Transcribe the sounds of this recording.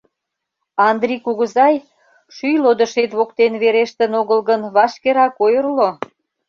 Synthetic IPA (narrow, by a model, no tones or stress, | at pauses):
ɑnd̪rikuɣəzɑj | ʃyjlod̪əʃet̪βokt̪enβeɾeʃt̪ənoɣəlɣənβɑʃkeɾɑkojərlo